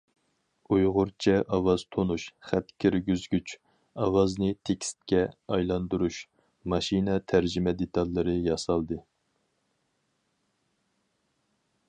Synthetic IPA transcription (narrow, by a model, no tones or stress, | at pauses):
ujʁʊɾt͡ʃʰɛʔɑwɑz̥t̪ʰonuʃχæt̪kʲʰiɾɡʲyzɡʲyt͡ʃ | ɑwɑznɨt̪ʰekʲst̪̚kʲɛɑjlˠɑnd̪uɾuʃ | mɑʃinɛt̪ʰæɾd͡ʒimɛd̪et̪ʰɑlːɨɾɨjɑsɑlˠd̪ɨ